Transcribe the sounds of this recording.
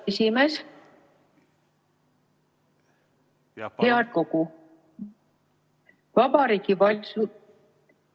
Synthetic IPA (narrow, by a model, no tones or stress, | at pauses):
esime̞s | heɑko̞ku | vɑbɑɾiːkivɑlsu